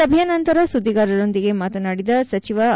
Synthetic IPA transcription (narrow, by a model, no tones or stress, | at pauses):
ɐbʱijɐnɐnt̪ɐɾɐsud̪ːiɡaːɾɐɾo̞nd̪iɡe̞maːt̪ɐnaːɽid̪ɐsɐt͡ʃiʋɐ